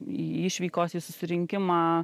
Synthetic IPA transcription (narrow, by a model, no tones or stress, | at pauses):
iːɪʃʲʋʲiːkoːsiːsʊsʲɪɾʲɪŋʲkʲɪmaː